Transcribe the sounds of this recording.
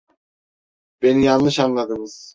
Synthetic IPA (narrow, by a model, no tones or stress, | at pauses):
b̥e̞nijanːˠɯʃanlˠad̪ɯmɯz̥